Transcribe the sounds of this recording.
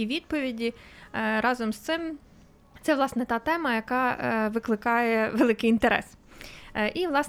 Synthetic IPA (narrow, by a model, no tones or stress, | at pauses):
iʋʲid̪̚pɔʋʲidʲiɾɑzɔmst̪sɪm | t̪sɛʋlˠɑsnɛt̪ɑt̪ɛmɐjɐkɑʋɪklˠɪkɑjɛʋelˠɪkɪjint̪eɾɛ̰s | ʔiʋlˠɑs